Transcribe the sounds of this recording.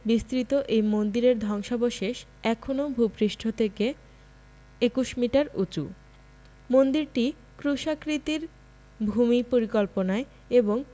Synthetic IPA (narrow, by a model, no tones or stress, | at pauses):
bist̪ɾit̪oʔejmond̪iɾeɾd̪ʱɔŋʃaboʃeʃ | ɛkʰonobʱupɾiʃʈʰot̪ʰeke | ekuʃmiʈaɾṵt͡ɕṵ | mond̪iɾʈi | kɾuʃakɾit̪iɾ | bʱumipoɾikolponae | eboŋ